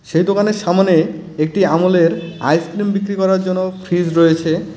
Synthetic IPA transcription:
ʃejd̪okaneɾʃamaneek̚ʈiamoleɾa̰jskɾimbikɾikɔɾaɾd͡ʑonːofʰɾid͡ʑɾoet͡ɕʰe

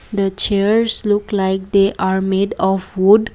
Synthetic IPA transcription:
d̪ət͡ʃɛɹsluklaɪk̚d̪eʔaɾmedɔfwud

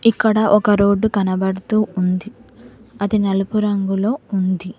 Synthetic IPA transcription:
ikːɐɽɐʔɔkɐɾo̞ːɖːukɐnɐbɐɽut̪uːund̪iɐd̪inɐlupuɾɐŋɡulo̞ːund̪i

